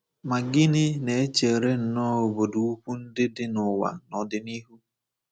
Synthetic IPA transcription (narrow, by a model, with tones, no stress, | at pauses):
ma˨ɡɪ˦nɪ˦ne˨e˦t͡ʃe˨ɾe˦n̩˨nɔː˦o˨bo˨du˨u˦kʷu˦n̩˦dɪ˦dɪ˦nʊ˨wa̰˨nɔ˨dɪ˦ni˦ɦu˦